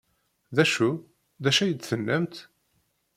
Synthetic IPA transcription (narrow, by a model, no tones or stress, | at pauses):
ðæʃu | ðæʃæjət͡s̪ːθənːæmt̪